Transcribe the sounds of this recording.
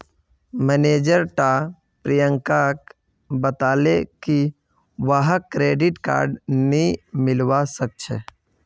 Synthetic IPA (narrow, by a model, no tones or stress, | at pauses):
mɛneːd͡ʒəɾʈa | pɾijə̃ŋkak | bət̪aːleki | ʋəɦkɾeːɖɪʈka̰ːɾɖnĩmɪlwasək̚t͡ʃʰḛ